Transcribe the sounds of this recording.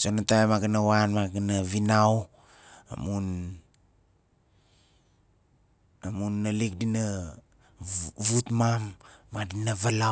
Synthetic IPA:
sonatajmaɡanawanmaɡanaβinaw | a̰mun | amunːalik̚dina | vutmamːadinavala

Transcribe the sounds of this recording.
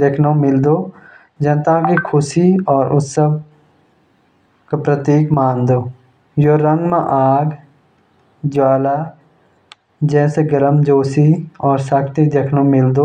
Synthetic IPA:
d̪ekʰnõmɪld̪oː | d͡ʒənt̪ãkikʰʊsiɔːɾʔʊsəb̚ | kapɾət̪iːkmaːnd̪oː | joɾə̃ŋɡmã̰ʔaːɡ | d͡ʒwaːla | d͡ʒɛːseɡəɾəmd͡ʒoːsiɔːɾsakʰt̪id̪ekʰnõmɪld̪oː

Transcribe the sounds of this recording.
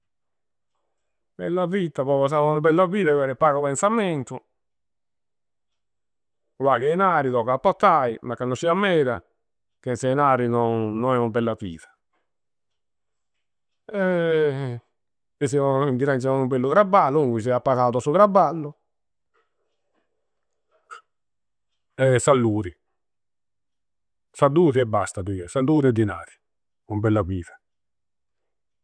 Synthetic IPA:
b̥ɛ̰lːafit̪ːapɔpɔs̬aaunabɛlːafiːt̪aɛɾɛpːaːɣopɛnsamɛnt̪ʊ | kwakɛjnaːɾit̪ɔkapːɔt̪ːaimakːanːot͡ʃːiamːɛːɾa̰ | kɛnsɛjnaːɾinɔnːɔnɛunabɛlːafḭːt̪ḁ | ɛ | esɛaind̪iɾant͡ʃɛmaumbɛlːʊkɾabːalːʊkis̬ɛapːaɣaːt̪asukɾabːalːʊ | ɛsalːuːɾi | salːuːɾiɛbːast̪ad̪ukɛsand̪uːɾiɛd̪inaːɾi̥ | umbɛlːaviːθḁ

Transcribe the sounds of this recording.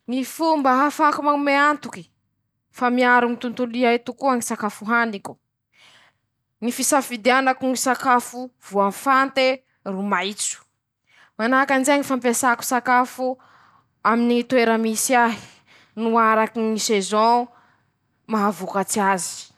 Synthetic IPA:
nifumbaɦafakumaŋmeant̪uki̥ | famiaɾunit̪unt̪uliait̪ukuaŋisakafuɦanikʲu̥ | nifisafid̪eanakunisakafuv̥uanfant̪e | rumajt͡su̥ | manakand͡ʒeɲifampesaku̥sakafu | aminit̪weɾəmisiaɦi̥ | nuaɾakinisezõ | maɦavukat͡siazi̥

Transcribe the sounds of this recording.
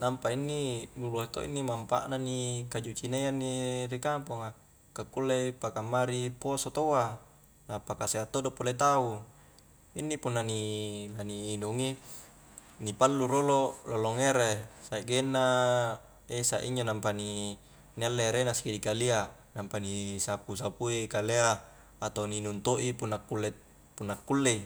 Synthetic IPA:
nampainːinuloit̪o̰ḭnːimampa̰ʔnanikad͡ʒut͡ʃinajanːiɾikampoŋa | kakːulːepakamːaɾiposot̪oa | napakaseat̪ːodopolet̪au | inːipunːanilaniːnuŋi | nipalːuɾolololoŋeɾesaiʔɡenːa | esa̰ʔḭɲd͡ʒonampani | nialːeɾenaskidikalia | nampanisapusapuikaleaː | t̪aninunt̪oʔipunːakːulːe | punːakːulːei

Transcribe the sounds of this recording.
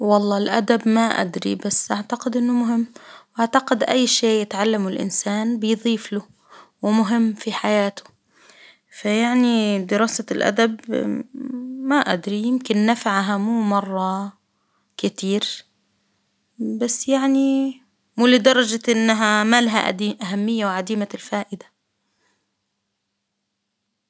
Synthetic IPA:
wɑlˤːɑːlʔad̪abmaʔa̰d̪ɾḭbasːʔaʕt̪aqɪd̪ʔɪnːʊmʊɦɪmːwʔaʕt̪aqɪd̪ʔajːʃeːʔjɪt̪ʕalːamʊlʔɪ̰nsaːnbɪjðˤiːflʊ | wɪmʊɦɪmːfiħajaːt̪ʊ̥ | fajaʕnid̪ɪɾɑːsalʔa̰d̪ab | maʔa̰d̪ɾijɪmkɪnːafaʕɦamuːmɑrˤːɑ | kɪt̪iːɾ | basːjaʕni | muːlɪd̪ɑɾˤɑd͡ʒaʔɪnːaɦamaːlaɦa̰ʔiʔaɦamːɪjːawʕad̪iːmalfaːʔɪd̪ḁ

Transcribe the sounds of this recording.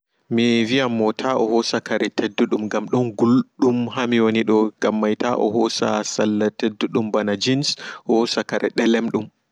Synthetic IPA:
mivijamːɔtʰaʔɔhɔsakaɾɛtʰedːuɗumɡamɗɔnɡulɗumhamiwoniɗɔɡ̥amːajtaʔɔ̰hɔsa̰salːatedːuɗumbanad͡ʒinshɔsakaɾɛ̰ɗɛlɛmɗum

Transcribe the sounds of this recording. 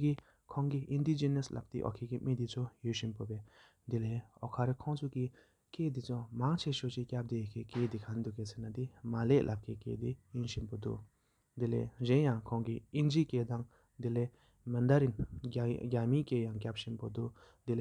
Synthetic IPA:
ki | kʰɔŋkiʔind̪id͡ʑenəslʔa̰p̚t̪ḭʔɔ̰kʰekimed̪it͡sʰojøɕinpopɛː | d̪ileːɔkʰaɾekʰɔŋt͡sʰuki | ked̪it͡sʰomaŋt͡ɕʰeɕot͡ɕicap̚d̪ekʰekeːd̪ikʰand̪ukesenad̪imaleʔlʔap̚kʰekḛːd̪ejinɕinpod̪ṵʔ | d̪ilḛːʑenjaŋkʰɔŋkiʔind͡ʑiʔkeːd̪aŋ | d̪ile | mənd̪aɾin | ɡʲamikejaŋkap̚ɕinpod̪uʔ | d̪ile

